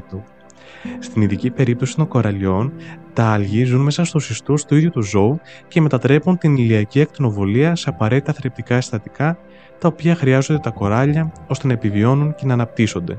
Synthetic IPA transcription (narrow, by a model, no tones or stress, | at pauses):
st̪iniðicipe̞ɾip̚t̪o̞si̥t̪o̞ŋko̞ɾɐʎo̞nt̪ɐɐlʝizunme̞sɐst̪usist̪ust̪uiðʝut̪uzo̞u | ce̞me̞t̪ɐt̪ɾe̞punt̪iniliɐciɐk̚t̪ino̞vo̞liɐse̞ɐpɐɾe̞t̪i̥t̪ɐθɾep̚t̪ikɐest̪ɐt̪ikɐ | t̪ɐopiɐxɾiɐzo̞nd̪et̪ɐko̞ɾɐʎɐo̞st̪enɐepivio̞nunce̞nɐːnɐp̚t̪iso̞nd̪e̞̰